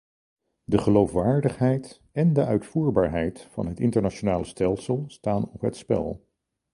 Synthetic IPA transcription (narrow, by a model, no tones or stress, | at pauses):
dəχəlowfʋaːɹdəχɦɛjt | ɛndəʔœɥtfuːɹbaːɹɦɛjtfɑ̰nɦətɪntəɹnat͡ʃonaːləstɛlˠsəlˠstaːnɔpɦətspɛ̰lˠ